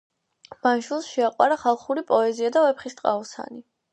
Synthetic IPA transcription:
manʃwilˠsʃɛaqʼwaɾaχalˠχuɾipʼɔɛziad̪avɛpχist̪ʼqʼa̰ɔsa̰ni

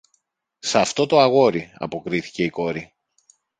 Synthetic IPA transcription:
sɐft̪o̞t̪o̞ɐɣo̞ɾiɐ̰po̞kɾiθi̥ce̞iko̞ɾi

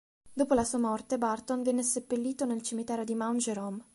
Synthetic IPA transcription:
d̪oːpolasuːamɔrt̪ebart̪onvjɛnːesepːelːiːt̪onelt͡ʃimit̪ɛːɾod̪imawnd͡ʒeɾom

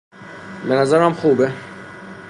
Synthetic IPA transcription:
benæzæɾæmxuːbe

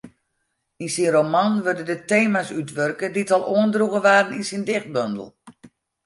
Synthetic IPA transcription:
insinromanʋørdəndəteːmasytʋørkəditɔlˠʔoəndruɣəʋaːɾəninsindɪxt̚bøndə̰l̩ˠ

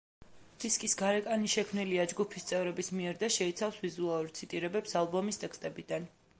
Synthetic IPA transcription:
d̪̥iskʼisɡaɾɛkʼaniʃɛkʰmniliad͡ʒɡupʰist̪sʼɛvɾɛbismiɛɾd̪aʃɛit̪sʰafsvizualˠuɾt̪sʰit̪ʼiɾɛbɛpsalˠbɔmist̪ʼɛkst̪ʼɛbid̪an

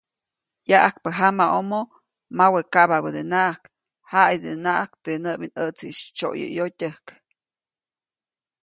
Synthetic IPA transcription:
jaʔak̚pəɦamaʔomo | mawekababəd̪enaʔak | haid̪enaʔakt̪enəbinət͡siʔʃt͡ʃo̰ʔjə̰jotʲəhk

